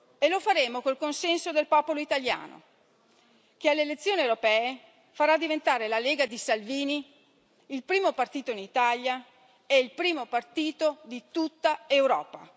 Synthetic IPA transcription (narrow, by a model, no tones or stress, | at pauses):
elofaɾeːmokolkonsɛnsod̪elpɔːpoloit̪alja̰ːno̰ | kealːelet̪sːjoːniewɾopɛːe | faɾad̪ivent̪aːɾelaleːɡad̪isalviːni | ilpɾiːmopart̪iːt̪oinit̪alja | ɛilpɾiːmopart̪iːt̪od̪it̪ut̪ːaewɾɔ̰ːpa̰